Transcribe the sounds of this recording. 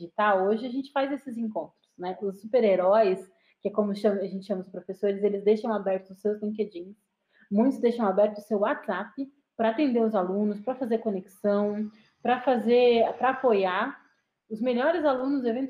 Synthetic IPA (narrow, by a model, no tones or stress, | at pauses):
it̪awoʒɪaʒẽnt͡ʃɪ̥fajzesɪzẽŋkõnt̪ɾʊsnɛʔʊsːupeɾeɾɔjɪs | kɪɛkõmʊʃɐ̃maʒẽnt͡ʃɪʃɐ̃mɐʊspɾofesoɾɪzelɪzd̪ejʃɐ̃w̃abɛɾt̪ʊzʊsewzlĩŋk̬ed͡ʒĩs | mũj̃t̪ʊzd̪ejʃɐ̃w̃abɛɾt̪ʊʊsewat̪z̥apɪ | pɾɐaːt̪ẽnd̪eɾʊzalũnʊspɾɐfazeɾkõneksɐ̃w̃ | pɾɐfazeɾpɾɐapojaɾ | ʊzmeʎɔɾɪzalũnʊzevẽn